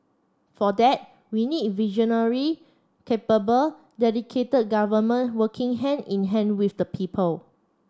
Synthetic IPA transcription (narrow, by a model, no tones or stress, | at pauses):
fɔdɛt̚ | winid̚vid͡ʒɔ̃nəɹi | kʰepəbəl | dɛdikʰetəd̚ɡavəmə̃nwəkʰĩŋɦɛ̃nĩnɦɛ̃nwifdəpʰipʰəl